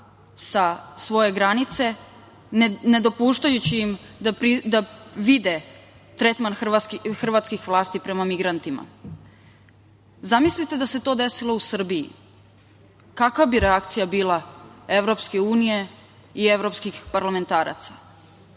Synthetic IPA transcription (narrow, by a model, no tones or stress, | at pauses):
sasʋo̞je̞ɡɾanit̪se̞ | ne̞d̪opuːʃt̪ajut͡ɕiimd̪apɾid̪aʋid̪e | t̪ɾe̞t̪manxxr̩ʋat̪skixʋlˠaːst̪ipɾe̞mamiɡɾant̪ima̰ | zamislit̪e̞d̪aset̪o̞ːd̪e̞silo̞usr̩bijḭ | kakʋabiɾeakt̪sijabiːlˠae̞vɾo̞pske̞uːnije̞ | ie̞vɾo̞pskixpaɾlame̞nt̪aːɾa̰t̪sḁ